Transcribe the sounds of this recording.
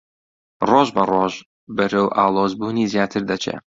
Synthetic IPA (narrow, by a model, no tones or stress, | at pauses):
roːʒbɐroːʒ | bɨɾowʔa̰ːlˠoːzbuːniːzijaːt̪ʰɨɾd̪ɐt͡ʃʰḛ